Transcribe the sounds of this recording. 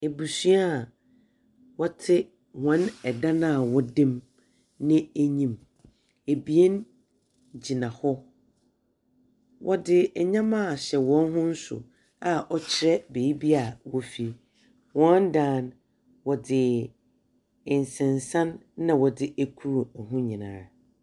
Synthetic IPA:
e˨bu˨su˦a˦˨ | wɔ˦tʰɪ˦ | wɔ̃˨˦nɛ˨dã˦nã˦˨wɔ˦dɪ̃˦m | nɪ̃˦æ˦ɲĩ˨m | e˨bi˨e˦n | d͡ʑi˨nã˨hɔ˦ | wʔɔ˦dɪ˦ɛ˨ɲã˦mã˦˨ɕɛ˨wɔ̃˨˦n˦ɦʊ̃˦n̩˦sʊ̰˨ | a˨ʔɔ˦t͡ɕʰɪ˨ɾɛ˦be˨ji˦bi˦a˨wɔ˦fi˦ | wɔ̃˦n˦dãː˦n | wɔ˨dɪ˨ | ɪ˨n̩˨sɪ̃˨n˨sã˦nːã˨wɔ˨dɪ˦ʔæ˦kʰu˦ɾu˨ɔ˨ɦʊ̃˦ɲĩ˨nã̰ː˨˦

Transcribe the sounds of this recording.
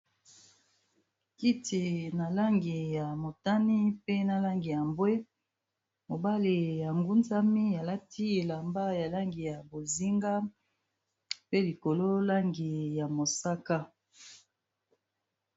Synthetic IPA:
ki˦tʰi˨na˨la˦ŋɡi˨ja˨mo˨ta˦ni˦pe˦na˨la˦ŋɡi˨ja˨mbwe˦ | mo˨ba˦le˨ja˨ŋɡu˦nza˦mi˦ja˨la˦tʰi˦e˨la˨mba˦ja˨la˦ŋɡi˨ja˨bo˨zi˦ŋɡa˦ | pe˦li˨ko˨lo˦la˦ŋɡi˨ja˨mo˨sa˦ka˦

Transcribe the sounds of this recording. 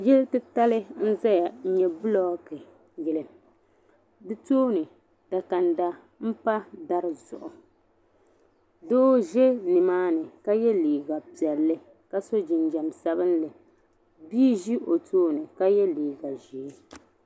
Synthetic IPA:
jɛ˦ltɨ˦ta˦lɨ˦n̩˦za˦ja˨˦ɲɛ˨bɨ˦lɔ˦kɨ˨ | jɛ˨lɨ˨ | dɨ˦toː˦nɨ˨ | d̥a˨ka˨nda˦ | m̩˦pa˦da˦ɾɨ˨zʊ̰˨ʔʊ˨ | doː˦ʒɛ˦nɨ˨maː˦nɨ˨ka˦jɛ˦liː˨ɡa˨pi˨ɛ˨lːɨ˦ | ka˦so˦d͡ʒɪ˨nd͡ʒa˨msa˦bɨ˦nlɨ˨ | biː˦ʒi˦ʔo˨tʰoː˦nɨ˨ka˦jɛ˦liː˨ɡa˨ʒiː˨˦

